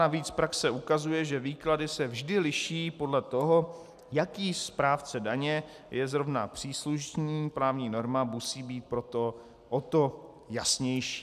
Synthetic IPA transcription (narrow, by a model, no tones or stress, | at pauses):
aviːt͡spɾaksɛʔukazujɛʒɛviːkladɪsɛvʒdɪlɪʃiːpo̞dlɛt̪oɦo̞ | jakiːspɾaːft͡sɛdaɲɛ | jɛzɾo̞vna̰pr̝̥iːsluʃɲiːpɾaːvɲiːno̞ɾmamusiːbiːt̪̚pɾo̞t̪o | ʔot̪o̞ | jasɲɛjʃi̥ː